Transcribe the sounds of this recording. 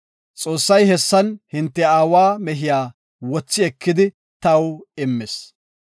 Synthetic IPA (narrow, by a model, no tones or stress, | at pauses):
t͡sʼoːsːɐjhɛsːɐnhɪnt̪ːɛaːwaːmɛɦɪjaː | wɔt͡sːɪɛkːɪd̪ɪ | t̪ɐwɪmːɪs